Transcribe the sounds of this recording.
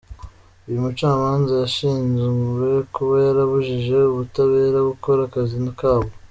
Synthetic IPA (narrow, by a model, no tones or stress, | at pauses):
ujumut͡ʃaːmaːnzajaʃiːnzuwe̞kuβajaɾaβuʒiʒe̞uβutaβe̞ːɾaɡuko̞ɾakazinakaːβo